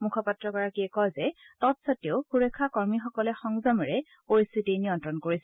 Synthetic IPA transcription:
mukʰɔpatɹɔkɔɹakiɛkɔjzɛtɔtsatioʊxuɹekʰːakɔɹmixɔkɔlɛxɔŋzɔmɛɹɛ | oistitiniɔntɹɔnkoɹisɛ

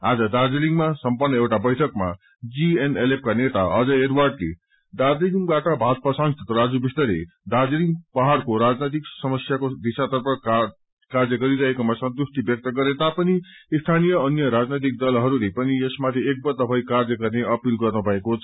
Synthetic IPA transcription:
ad͡zʌd̪ard͡ziliŋmasʌmpʌrnʌewʈabʌjʈʰʌkma̰ | d͡zienelep̚kanet̪aʌd͡zʌeɾwarɖlḛ | d̪arliliŋbaʈʌbʱat̪̚pʌsãŋsʰʌt̪ɾʌʌd͡zubist̪ʌɾḛ | d̪ad͡ziliŋɡpʌɦaɽkoɾad͡znejt̪̬iksʌmʌsjakod̪isat̪ʌrpʰʌ | kard͡zʌɡʌɾiɾʌɦekomasʌnt̪usʈ̪ibjʌk̚t̪ʌɡʌɾet̪apʌni | st̪ʰanijʌːnjʌɾad͡znʌjt̪̬ik̚d̪ʌlɦʌɾulepʌniesmat̪ʰiek̚bʌt̪ʌpʰʌjkard͡zʌɡʌrneʔʌpilɡʌrnubʱʌekot͡sʰʌ̥

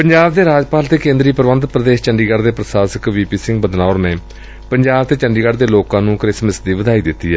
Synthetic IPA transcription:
pəɲd͡ʒaːbd̪eːɾaːd͡ʒpaːlt̪eːkẽːnd̪ɾiːpəɾʋənd̪pɾəd̪eːʃt͡ʃəɳɖiːɡəɖd̪eːpɾəsaːsəkʋiːpiːsɪŋɡbəd̪naːɾneː | pəɲd͡ʒaːbt̪eːt͡ʃəɳɖiːɡəɽd̪eːloːkãːnũːkɾɪsmɪsd̪iːʋəd̪aːiːd̪ɪt̪ːiːɛː

